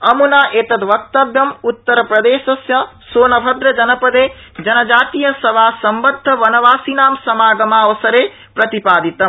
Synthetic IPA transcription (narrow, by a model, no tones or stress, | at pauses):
ɐmunaːʔeːt̪ɐt̪ʋɐk̚t̪ɐbjɐmut̪ːɐɾɐpɾɐd̪eːʃɐsjɐ | soːnɐbʱɐd̪ɾɐd͡ʒɐnɐpɐd̪eː | d͡ʒɐnɐd͡ʒaːt̪ijɐsɐʋaːsɐmbɐd̪ʱːɐʋɐnɐʋaːsiːnaːmsɐmaːɡɐmaːʋɐsɐɾeː | pɾɐt̪ipaːd̪it̪ɐm